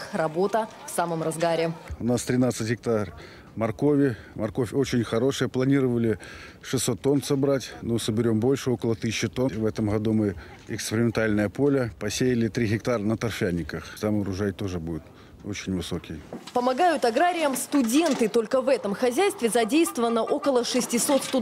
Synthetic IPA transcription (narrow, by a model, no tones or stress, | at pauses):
rɐbo̞t̪ə | fsaməmrɐzɡaɾʲɪʊnast̪ɾʲɪnat̪sɨtʲɣʲɪk̚t̪ar | mɐrko̞vʲɪ | mɐrko̞fʲo̞t͡ɕɪnʲxɐɾo̞ʂɨjəplˠɐnʲiɾəvəlʲɪ | ʂɨsːo̞t̪ːo̞nsɐbɾatʲnosəbʲɪɾʲo̞mbo̞lʲʂɨo̞kəlˠət̪ɨsʲɪt͡ɕːɪt̪o̞vɛt̪əmɣɐd̪umɨ | ɪkspʲɪɾʲɪmʲɪnt̪alʲnəjəpo̞lʲəpɐsʲejɪlʲɪt̪ɾʲiɣʲɪkt̪aɾənət̪ɐrfʲanʲːɪkəxt̪amɾʊʐajt̪o̞ʐɨbudʲɪt̪ | ot͡ɕɪnʲvɨso̞kʲɪjpəmɐɡajʊt̪ɐɡɾaɾʲɪjəmst̪ʊdʲe̞nt̪ɨt̪o̞lʲkəvɛt̪əmxɐzʲæjst̪vʲɪzɐdʲejst̪vəvənːəʔo̞kəlˠəʂɨsʲtʲɪso̞t̪st̪ʊ